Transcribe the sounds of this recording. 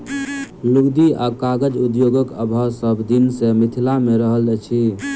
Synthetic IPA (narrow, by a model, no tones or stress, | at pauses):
luɡd̪ia̰kaɡəd͡ʒud̪joɡəkə̰bʱəsəbd̪insemit̪ʰilameɾəɦəld͡ʒat͡ʃʰi